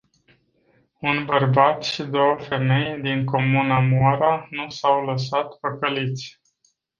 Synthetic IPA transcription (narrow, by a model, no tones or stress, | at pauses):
unbərbat̪ʃid̪o̞wəfe̞me̞jd̪iŋko̞munamoaɾanusawləs̬at̪pəkəlit̪sʲ